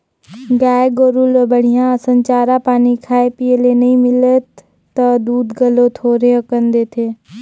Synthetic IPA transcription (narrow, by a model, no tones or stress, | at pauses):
ɡaːeɡoːɾulobəɽ̤̃ijãəsə̃ɲt͡ʃaːɾapaːnikʰaːepijəlenɐɦĩmɪlət̪ː | əd̪uːd̪ɡəlõt̪ʰoːɾeəkənd̪eːt̪ʰeː